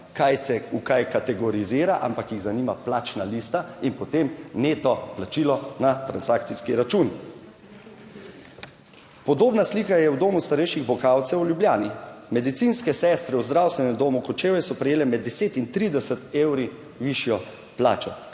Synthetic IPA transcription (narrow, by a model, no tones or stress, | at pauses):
kajsɛukajkat̪ɛɡɔɾiziːɾaʔa̰mpakjiɣzaniːmaplaːt͡ʃnalist̪ainpɔt̪emneːt̪ɔplat͡ʃilɔnat̪ɾansakt̪siskiɾat͡ʃun | pɔd̪oːbnasliːkajɛwd̪oːmust̪aɾɛjʃiɣbɔkawt̪sɛwljubljaːnimɛd̪it̪sinskɛsɛst̪ɾɛwzd̪ɾawst̪ʋɛnɛmd̪oːmukɔt͡ʃeːwɛsɔpɾɛjeːlɛmɛd̪ːɛseːt̪int̪ɾid̪ɛsət̪ewɾi | ʋiʃjɔ | pla̰ːt͡ʃɔ